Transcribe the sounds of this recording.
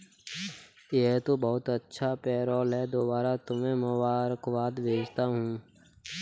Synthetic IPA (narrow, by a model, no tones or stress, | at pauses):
jeɦt̪obɐɦʊt̪ɐtːʃʰapɛːɾɔːlɦɛd̪oːbaːɾat̪ʊmẽmʊbaːɾəkʋaːd̪bʱeːd͡ʒt̪aɦũ